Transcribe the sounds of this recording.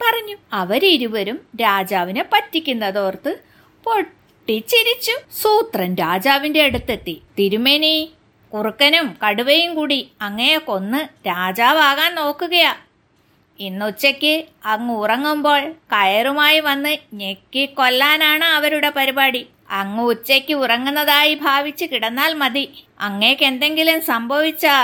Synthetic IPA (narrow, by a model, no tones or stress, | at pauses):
pɐrɐɲːuɐʋɐɾiɾuʋɐɾumɾaːd͡ʑaːʋinepɐtːikʲːunːɐðo̞ːrt̪ɨ | po̞ | ʈːit͡ɕiɾit͡ɕːusuːt̪rɐnɾaːd͡ʑaːʋinde̞ːɽut̪ːɐt̪ːit̪iɾumenij | kurukːɐnumkɐɽuʋɐjumkuːɽiɐŋːɐneko̞nːɨɾaːd͡ʑaːʋaːɣaːnno̞ːkːuɣɐja | inːut͡ɕːɐkʲːɨɐŋːɨurɐŋːumbo̞ːɭkɐjɐrumaːjiʋɐnːɨɲekːikːo̞lːaːnaːɳɨɐʋɐɾuɽe̞pɐɾibaːɽi | ɐŋːɐut͡ɕːekʲːɨurɐŋːunːɐðaːjibʱaːʋit͡ɕːɨkiɽɐnːaːlmɐd̪i | ɐŋːekːe̞nd̪e̞ŋɡilumsɐmbʱɐʋit͡ɕːɐ